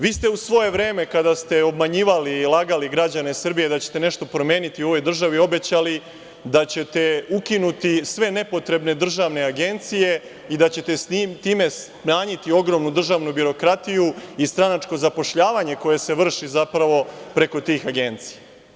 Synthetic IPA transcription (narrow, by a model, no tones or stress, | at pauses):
ʋiːst̪e̞usʋo̞je̞ʋɾe̞ːme̞kad̪ast̪e̞o̞bmaɲiːʋalilˠaɡaliɡɾad͡ʑane̞sr̩bijed̪at͡ɕe̞̥t̪e̞ne̞ʃt̪o̞pɾo̞mje̞ːnit̪iuo̞ʋo̞jd̪r̩ʒaʋio̞be̞t͡ɕali | d̪at͡ɕe̞t̪e̞ukinut̪isʋe̞ne̞po̞t̪ɾe̞bne̞d̪r̩ʒaʋne̞aɡe̞nt̪sije̞ | id̪at͡ɕe̞t̪esit̪iːme̞s | maːɲit̪io̞ɡɾo̞mnud̪r̩ʒaʋnubiɾo̞kɾat̪ijuist̪ɾanat͡ʂko̞zapo̞ʃʎaːʋaɲe̞ko̞je̞se̞ʋr̩ʃizapɾaʋo̞pɾe̞ko̞t̪iːxaɡe̞nt̪si̥ja